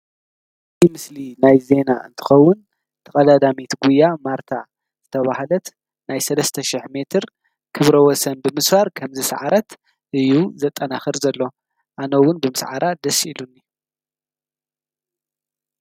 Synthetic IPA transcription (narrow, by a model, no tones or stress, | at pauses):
timɨslinajze̞naʔɨ̰nt̪ʰɨ̥xɐwːʊn | t̪ʰɐkʼɐd̪ad̪amit̪ɡujːamaɾt̪ʰa | z̥ɨt̪ʰɐβahlɐt̪ | nʔajsɐlɐst̪ʰɐʃɪħme̞t̪ʰɨɾ | kʰɨβɾɐwɔsɐnbɨmɨsfaɾkʰɐmzɨsʕaɾɐt̪ | ʔɨjːuzɐt̪ʼːɐnaxɨɾzɐlːo̞ | ʔanɐwʊnbɨmɨsʕa̰ɾʔad̪ɐsilunːi